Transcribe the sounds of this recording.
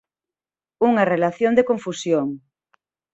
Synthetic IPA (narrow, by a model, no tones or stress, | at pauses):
uŋarelaθjond̪ekõɱfusjoŋ